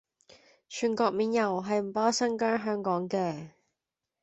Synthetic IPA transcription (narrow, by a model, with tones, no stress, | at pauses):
t͡ʃʰyː˨˩nkɔː˧k̚miː˨njɐ˨˩wɦɐ˨jm̩˨˩paː˦˥sɐ˥ŋkœː˥ŋɦœː˥ŋkɔː˨˥ŋkɛː˧